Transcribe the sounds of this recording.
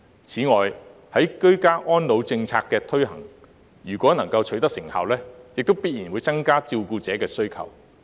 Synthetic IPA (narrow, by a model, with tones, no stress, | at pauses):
t͡sʰiː˨˥ŋɔː˨˧jhɐ˨˥jkɵ˥ɥkaː˥ʔɔː˥nlo˨˧wt͡sɪ˧ŋt͡sʰaː˧kːɛː˧t̪ʰɵ˥ɥhɐ̰˨˩ŋ | jyː˨˩kʷɔː˨˥nɐ˨˩ŋkɐ˧wt͡ʃʰɵ˨˥jt̪ɐ˥k̚sɪ˨˩ŋha̰ː˨wlɛː˥jɪ˨k̚t̪o˥wpiː˥t̚jiː˨˩nwuː˨˧jt͡sɐ˥ŋkaː˥t͡siː˧wkuː˧t͡sɛː˨˥kɛː˧sɵ˥ɥkʰɐ̰˨˩w